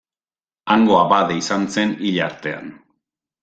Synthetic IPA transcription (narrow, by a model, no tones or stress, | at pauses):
aŋɡo̞abaðeisanse̞niʎaɾt̪e̞a̰n